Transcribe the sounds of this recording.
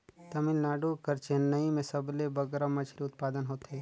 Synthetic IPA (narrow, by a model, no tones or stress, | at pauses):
t̪ɐmɪlnaːɖukɐɾt͡ʃenɐimẽsɐblebɐɡɾamɐt͡ʃʰɾiʊt̪̚paːd̪ənɦoːt̪eɦɛː